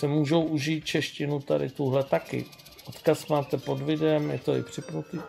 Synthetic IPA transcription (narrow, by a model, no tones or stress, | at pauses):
sɛmuːʒo̞wʔuʒiːt̪̚t͡ʃɛʃcɪnut̪adɪ̰t̪uɦlɛt̪akɪ̰ | ʔot̪kasmaːt̪ɛpo̞dvɪdɛmjɛt̪o̞ɪ̰pr̝̥ɪpnut̪iː